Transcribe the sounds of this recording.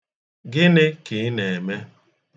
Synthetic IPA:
ɡɪ˦nɪ˦kɪ˨˦ne˨me˦

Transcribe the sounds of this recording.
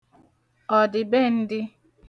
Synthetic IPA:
ɔ˨dɪ˨be˦n̩˦dɪ˦

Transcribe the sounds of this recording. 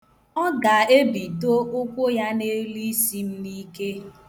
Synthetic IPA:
ɔ˦ɡa˨e˦bi˨to˦ʔo˦kʷo˦ja˦ne˦li˦si˦m̩˦ni˦ke˦

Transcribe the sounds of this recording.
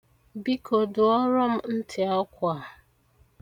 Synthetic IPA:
bi˦kʰo˨dʊ˨ɔ˦ɾɔ˦m̩˦n̩˦tʰɪ˨ɔ˦kʷa˨

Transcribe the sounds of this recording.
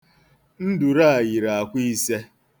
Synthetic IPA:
n̩˦du˨ɾa˦a˨ji˨ɾa˨a˨kʷi˦se˦

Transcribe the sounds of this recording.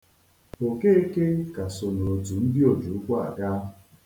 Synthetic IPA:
o˨ke˦e˦ke˦ka˨so˨no˨o˨tu˨n̩˦dɪ˦o˨d͡ʒu˨ʊ˦kʷa˦a̰˨ɡa˦˨

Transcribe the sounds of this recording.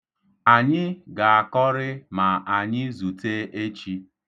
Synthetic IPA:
a˨ɲɪ˦ɡa˨a˨kɔ˦ɾɪ˦ma˨ʔa˨ɲɪ˦zu˨te˦ʔe˦t͡ʃi˦

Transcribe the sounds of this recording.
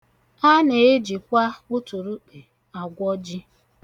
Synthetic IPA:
a˦ne˨e˦d͡ʒi˨kʷa˦ʊ˦tu˨ɾu˦k͡pe˨ | a˨ɡʷɔ˦d͡ʒi˦

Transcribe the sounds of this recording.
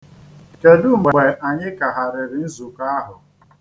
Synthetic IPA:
ke˨du˦˨m˨e˨ʔa˨ɲɪ˦ka˨ɦa˨ɾɪ˨ɾɪ˨n̩˦zu˨ka˦a˦ɦʊ˨

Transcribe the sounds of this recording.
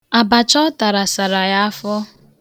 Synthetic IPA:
a˨ba˨t͡ʃɔ˦ta˨ɾa˨sa˨ɾa˨ja˦fɔ˦

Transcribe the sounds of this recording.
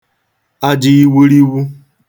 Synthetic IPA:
a˦d͡ʒɪ˦i˦wu˦ɾi˦wu˦

